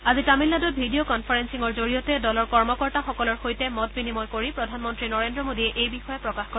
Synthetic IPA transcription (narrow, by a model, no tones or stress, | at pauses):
azitamilːadɔbʱidijokɔnpʰaɹensiŋɔɹzoɹijɔtɛdɔlɔɹkɔɹmɔkɔɹtaxɔkɔlɔɹxojtɛmɔtbinimɔjkoɹipɹɔdʱanmɔntɹinɔɹendɹɔmodiɛʔejbixɔjɔpɹɔkaxko